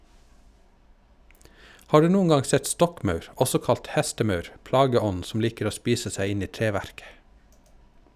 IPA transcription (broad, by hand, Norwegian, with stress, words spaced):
ˈhɑː ˈɖʉː ˈnuːn ˈɡɑ ˈsɛt ˈstɔkˌmœʉɾ ˈɔsɔ ˈkɑlt ˈhæstəˌmœʉɾ ˈplɑːɡəˌɔn sm̩ ˈliːkɾ̩ ˈoː ˈspiːsə ˈsæɪ ˈɪn ˈiː ˈtɾeːˌʋæɾkə